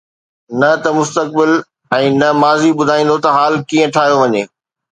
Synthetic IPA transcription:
nɐt̪ɐmʊst̪ək̚bɪl | ɛ̃ːnɐmaːziɓʊd̪ʱaːĩːnd̪ot̪ɐɦaːlkiːə̃ʈʰaːɦjoʋɐɲeː

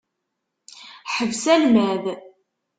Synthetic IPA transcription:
ħəvsælmæð

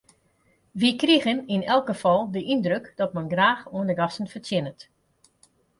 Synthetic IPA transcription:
ʋikriɣəninɛlˠkɡəfɔlˠdəʔindrøkd̥ɔt̚mɛnɡraːxuəndəɡɑsənfərtjɪnət

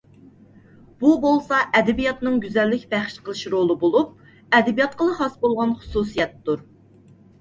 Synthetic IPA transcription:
b̥ubolˠsɑʔɛd̪ɪbijɑt̪nɨŋɡʲyzɛlːɪkʲbæχʃqʰəlˠɨʃɾolˠɨbolˠup̚ | ɛd̪ɪbijɑt̪̚qəlˠɨχɑsbolˠʁɑnχʊ̥susijɛt̪ːuɾ

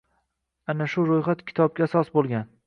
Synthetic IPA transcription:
anaʃʊɾojχat̪kʲʰɪ̥t̪ʰɒb̚kʲaːsɒsbolˠɡʲan

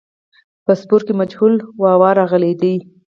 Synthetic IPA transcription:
pəspʊɾkemad͡ʒhulwɑwɑɾɑɣəled̪i

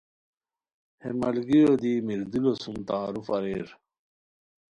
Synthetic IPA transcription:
hemɐlɡijod̪imiɾd̪ulosumt̪aːɾufɐɾeːɾ

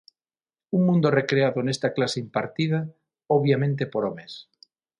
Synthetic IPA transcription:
uŋmũnd̪orekɾeaðonest̪aklaseimpaɾt̪ið̞a | oβjamẽnt̪epoɾomẽs

